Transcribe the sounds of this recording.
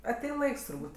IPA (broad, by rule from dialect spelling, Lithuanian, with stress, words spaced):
ɐˈtʲɛɪn ˈlˠɐɪks tʊrˈbuːtʲ